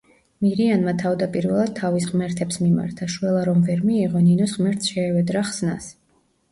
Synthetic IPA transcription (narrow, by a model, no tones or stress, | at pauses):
miɾianmat̪ʰavd̪apʼiɾvɛlˠad̪̥̚t̪ʰːavisʁmɛɾt̪ʰɛpsmima̰ɾt̪ʰaʃwɛlˠaɾɔmvɛɾmiːʁɔninɔsʁmɛɾt̪sʃɛːvɛd̪ɾaχsna̰s